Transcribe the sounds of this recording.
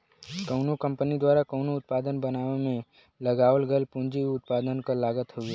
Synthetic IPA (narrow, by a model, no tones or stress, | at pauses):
kəʊnokə̃mpənid̪waːɾakəʊnoʊt̪̚paːd̪ənbənaːʋemẽ | lɐɡaːʋəlɡəlpʊ̃nd͡ʒiʊt̪̚paːd̪ənkolaːɡət̪ɦʊeː